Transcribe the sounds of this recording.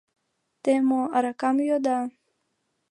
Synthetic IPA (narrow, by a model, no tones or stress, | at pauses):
t̪emoaɾakamjod̪a